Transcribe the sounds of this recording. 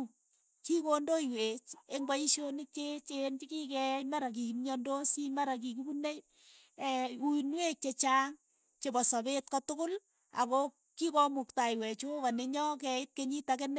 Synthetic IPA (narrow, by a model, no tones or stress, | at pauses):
kikondoiwet͡ʃeŋbaiʃonɪt͡ʃet͡ʃent͡ʃikikɛmaɾak̬ikimɲɔndosimaɾak̬ikibunej | ɛunwek̚t͡ʃet͡ʃaŋ | t͡ʃebɔsɔbetkɔtʊkʊl | a̰ko | kikɔmuktaiwɛt͡ʃowaneɲɔkɛɪt̚keɲitakenɛ